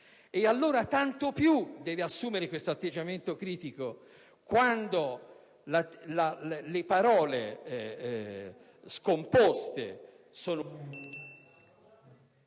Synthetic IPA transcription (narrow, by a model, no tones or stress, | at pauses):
ealːoːɾat̪ant̪opjud̪ɛːveasːuːmeɾekwest̪oat̪ːed͡ʒːament̪okɾiːt̪iko | kwand̪o | lalallepaɾɔːle | skompost̪ḛ | soːno